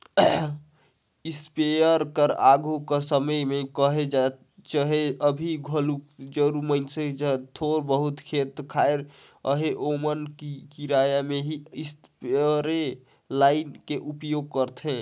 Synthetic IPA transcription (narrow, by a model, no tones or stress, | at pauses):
ɪspejəɾkəɾaɡʱukəsəməjmẽkəɦed͡ʒa | t͡ʃəɦeəbʱiɡʱəlukd͡ʒəɾumənsed͡ʒt̪ʰoɾbəɦut̪kʰet̪kʰaeɾ | əɦeʔomənikiɾajameɦiɪs | peɾe | laːɪnkeʔupjoɡ̚kəɾt̪ʰɦẽ